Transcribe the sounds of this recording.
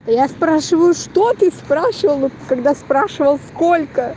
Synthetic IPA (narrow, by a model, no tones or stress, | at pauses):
ɐjaspɾaʂɨvəjʊʂt̪ot̪ɨspɾaʂɨvəlˠvot̪kɐɡd̪aspɾaʂɨvəlˠskolʲkə